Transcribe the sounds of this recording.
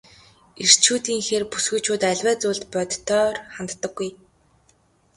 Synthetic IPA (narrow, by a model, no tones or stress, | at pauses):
ir̥t͡ɕʰuːt̪iːŋxeːrpusɡŭjt͡ɕʰuːt̪æɮʲwæːt͡sʊːɮt̪pœt̪t̪ʰːœːrχant̪ːə̆ɡːuj